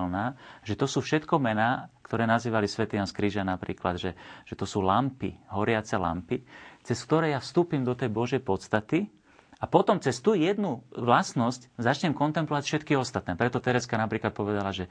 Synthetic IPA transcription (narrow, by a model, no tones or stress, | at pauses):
lnaːʒɛt̪ɔsuːfʃɛt̪kɔmɛnaːkt̪ɔɾɛːnaziːʋalisʋɛt̪iɲanskɾiːʒanapɾḭːklad̪ʒɛʒ̥ɛt̪ɔsuːlampḭɦɔɾɪat͡sɛla̰mpit͡sɛskt̪ɔɾɛːjafst̪uːpimd̪ɔt̪ɛjbɔʒɛjpɔt̪st̪at̪i | apɔt̪ɔmt͡sɛst̪uːjɛd̪nuʋlasnɔsczat͡ʃɲɛmkɔnt̪ɛmplɔʋacfʃɛt̪kiɔst̪at̪nɛːpɾɛt̪ɔt̪ɛɾɛskanapɾiːklat̪̚pɔʋɛd̪alaʒɛ